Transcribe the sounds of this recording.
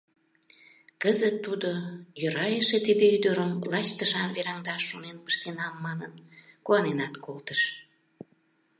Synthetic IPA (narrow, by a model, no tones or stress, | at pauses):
kəzət̪ːud̪ojøɾɑjəʃet̪id̪eyd̪əɾəmlɑt͡ɕt̪əʃɑnβeɾɑŋd̪ɑʃːonenpə̥ʃt̪enɑmːɑnənkuɑnenɑt̪kʰolt̪əʃ